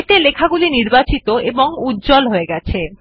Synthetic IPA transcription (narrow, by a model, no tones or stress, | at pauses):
ʈelekʰaɡuliniɾbat͡ɕit̪oʔeboŋutd͡ʑolɦoeɡɛt͡ɕʰe